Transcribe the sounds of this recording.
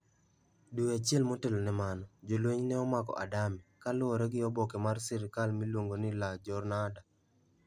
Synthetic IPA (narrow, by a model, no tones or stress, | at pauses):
duat͡ʃɛlmotelonɛmanɔd͡ʒolweɲnɛɔmakɔ̰ʔa̰damikalʊɔɾɛɡɪɔbɔkemarsɪɾɪkalmilwoŋɡonɪlad͡ʒɔrnada